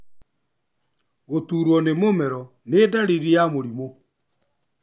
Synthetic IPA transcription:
otuːɾwɔnemomɛɾɔ | nedaɾiɾijamoɾimo

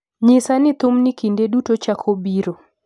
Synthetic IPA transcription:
ɲɪsanɪt̪ʊmnɪkindedutot͡ʃakʰobiɾo

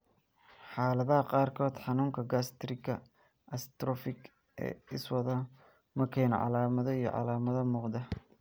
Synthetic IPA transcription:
ħɑːlɐðɐɦɐqɑːrkʰɔːd̪ħɑnuːŋkʰɐɡast̪ɾɪkʰɐ | ʔɐst̪ɾɔfɪɡ | ʔɛ̰ːɪswɐðɐ | mɐkʰɛːn̰ʕɑ̰laːmɐðɔijɞ̰ʕɑ̰laːmɐðɐmuːqd̪ɐ

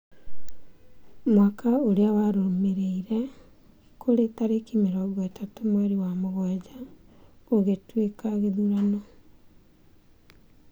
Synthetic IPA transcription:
mwakʰaoɾeawaɾoomeɾeiɾɛ | kʰoɾetaɾekimeɾɔɣatatomwɛɾiwamoɣɔd͡ʑa | oɣetwekaɣeðuɾanɔ

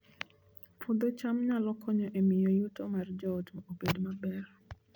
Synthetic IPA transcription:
pʰud̪ot͡ʃamɲalɔkʰɔɲɔʔemɪjojutomard͡ʒɔtmobedmabɛr

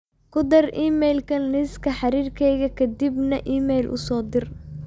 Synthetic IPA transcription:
kʰʊd̪ɐriːmɛjlkʰɐnlɪskʰɐħɑɾiːrkʰɛjɣɐkʰɐd̪ibnɐʔiːmɛjlʔʊ̰sɔːd̪ɪr

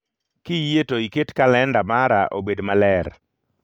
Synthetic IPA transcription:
kɪjetoiketkalɛndamaɾaʔobedmalɛɾ

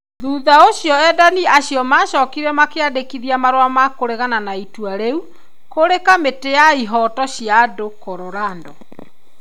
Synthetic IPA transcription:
ðuðaoɕjɔɛdaniaɕijɔmaːʃɔːkiɾɛmakeadekiðiamaɾwamakoɾeɣananaitwaɾeu | koɾekametejaiɦɔtɔɕjadokoɾoɾaːndɔ

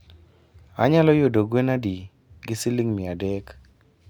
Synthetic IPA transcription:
a̰ɲalɔjodoɡwenadi | ɡɪsɪliŋmɪadɛk

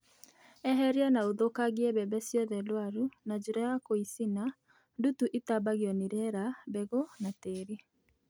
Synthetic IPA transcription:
ɛɦɛɾianaoðokaɣiɛβɛbɛsjɔðɛlwaɾunad͡ʒoɾɛakoisina | ndutuʔetabaɣjɔniɾɛɾabɛɣonateɾi

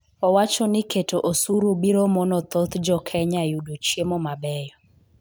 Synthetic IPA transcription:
ɔwat͡ʃɔnɪketoʔosuɾobiɾomɔnɔt̪ot̪d͡ʒɔkʰɛɲajudot͡ʃjemɔmabɛjɔ

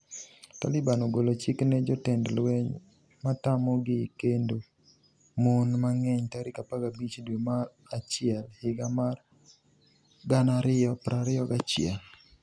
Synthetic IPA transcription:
ta̰lɪbanoɡolot͡ʃiknɛd͡ʒɔtɛndlwɛɲ | matamɔɡɪkendo | monmaŋɛɲtaɾɪkapaɡabit͡ʃdwema | at͡ʃɪɛlhɪɡamar | ɡanaɾɪɔpɾaɾɪɔɡat͡ʃɪɛl

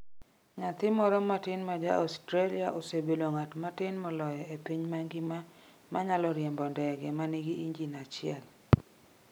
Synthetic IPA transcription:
ŋat̪ɪmɔɾɔmatɪnmad͡ʒa̰ɔstɾaliaʔosebeloŋatmatɪnmɔlɔjɔepiɲmaŋɡɪma | maɲalɔɾjɛmbɔndɛɡɛmaniɡiiɲd͡ʒinat͡ʃɪɛ̰l

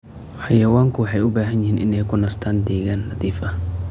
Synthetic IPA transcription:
ħɑjɐwaːŋkʰʊwɑħɑjʊbaːɦɐnjɪhiːnʔɪ̰nɛjkʰʊnɐst̪ʰaːnd̪ɛːɣaːnːɐðiːfɐ

